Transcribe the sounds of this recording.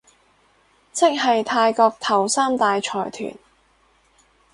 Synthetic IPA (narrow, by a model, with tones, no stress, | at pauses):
t͡sʰɪ˥k̚ɦɐ˨jt̪ʰaː˧jkɔː˧k̚t̪ʰɐ˨˩wsaː˥mt̪aː˨jt͡ʃʰɔː˨˩jt̪ʰy̰ː˨˩n